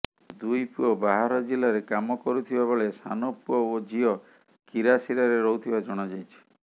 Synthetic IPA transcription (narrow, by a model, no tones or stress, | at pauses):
d̪ujpuɔbaɦaɾɔd͡ʒilaɾekamɔkɔɾut̪ʰibabɔɭesa̰nopuɔod͡ʒiɔ | kiɾasiɾaɾeɾɔɦut̪ʰibad͡ʒɔɽ̃ɔd͡ʒajt͡ʃʰi̥